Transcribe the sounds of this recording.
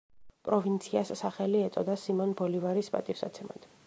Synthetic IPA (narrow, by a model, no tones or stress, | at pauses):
pʼɾɔvint̪sʰiasːaχɛliɛt̪sʼɔd̪asimɔnbɔlivaɾispʼa̰t̪ʼifsa̰t̪sʰɛma̰d̪̥